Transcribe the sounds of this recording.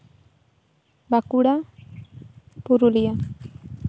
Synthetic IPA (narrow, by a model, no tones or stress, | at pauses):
bakuɽa | puɾulija